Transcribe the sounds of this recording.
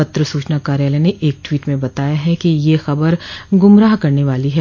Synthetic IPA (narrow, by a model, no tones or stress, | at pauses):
ɐt̪ɾəsuːt͡ʃnakaːɾjaːlɛneʔeːk̚ʈwiːʈmẽbɐt̪aːjaɦɛkijexɐbəɾɡʊmɾaːɦkɐɾneʋaːliɦɛ